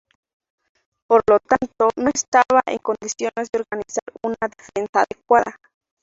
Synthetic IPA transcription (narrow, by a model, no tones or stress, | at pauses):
poɾlot̪ant̪onoest̪aβaʔḛŋkond̪isjonezd̪eoɾɣanisaɾunaðefensaːðekwaða